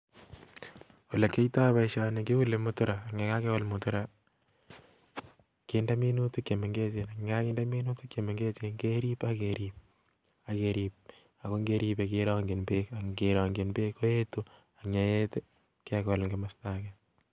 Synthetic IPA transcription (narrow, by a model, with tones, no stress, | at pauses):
u˨le˨ke˦ita˦βa˦iʃa˨ne˨ke˦u˦le˨mʊtʊ˦ɾaː˨ŋe˨ka˦ke˦wɔ˦lmʊtʊɾa | kenda˦mi˦nutuke˨me˨ŋɡe˦t͡ʃenakŋɡa˦ki˦nda˦mi˦nu˦tu˦kje˨me˨ŋɡe˦t͡ʃe˦ŋɡe˦ɾi˦pakeɾip̚ | a˨keɾip̚ | a˨ko˦ŋɡe˦ɾipe˨keɾɔ˦ŋɡenbekaɡeɾɔŋɡenbeko˦je˦tu | a˨ɲa˨je˦t | kekɔ˨lŋɡemastakɛ